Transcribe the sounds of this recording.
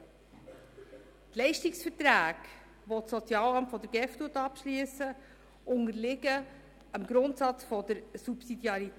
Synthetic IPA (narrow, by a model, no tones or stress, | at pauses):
tlɛɪʃtiksfəɾtɾæːɡ̥ | ʋɔtsɔt͡sjɑːlɑmtfɔdəɾɡ̥ɛftuːətɑpʃliəsə | ʔʊŋəɾlɪɡə | əmɡɾʊntsɑt͡sfɔd̥̪əɾsupsidjɑɾi